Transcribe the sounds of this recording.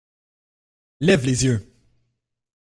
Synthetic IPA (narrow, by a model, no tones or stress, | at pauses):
lɛvlezjø